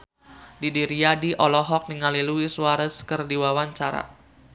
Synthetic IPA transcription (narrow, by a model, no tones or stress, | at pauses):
didiɾiadiʔɔlɔɦɔk̚niŋaliluisuaɾəskərdiwawaɲt͡ʃaɾa̰